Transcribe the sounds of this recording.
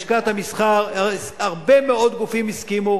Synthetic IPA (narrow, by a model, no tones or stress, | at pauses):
ʃkat̪hamisχaʁ | aʁbemeo̞d̪ɡufimiskimu